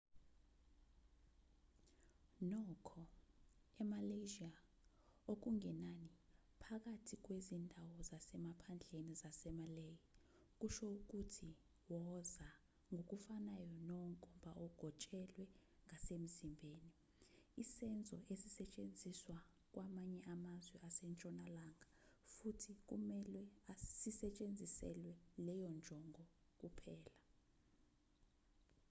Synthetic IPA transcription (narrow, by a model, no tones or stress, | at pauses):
nɔkʰɔ | ɛmaleʒia | ok̬uŋʱɛnani | pʰak̬atʰik̬wezindʱawɔzasɛmapʰand͡ɮʱenizasɛmaleji | k̬ʼuʃɔuk̬utʰi | wɔza | ŋɡʱok̬ufanajɔnɔkʼɔmbʱaɔɡ̥ʱɔt͡ʃʼɛlwɛŋɡʱasem̩zimbʱeːni | isɛnd͡zʱɔʔesisɛt͡ʃʼend͡zʱiswa | k̬ʼwʔamaɲɛʔamazwɛʔasɛnt͡ʃʼɔnalaŋɡʱafutʰik̬ʼṵmɛlwɛasisɛt͡ʃʼend͡zʱisɛ̰lwɛlɛjɔnd͡ʒʱɔŋʱɔ | k̬ʼupʰɛːla